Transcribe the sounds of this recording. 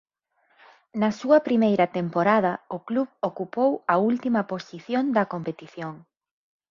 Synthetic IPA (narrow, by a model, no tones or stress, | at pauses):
nɐsuɐpɾimejɾɐt̪empoɾað̞ɐʊkluβokupowɐult̪imɐposiθjond̪ɐkompet̪iθjoŋ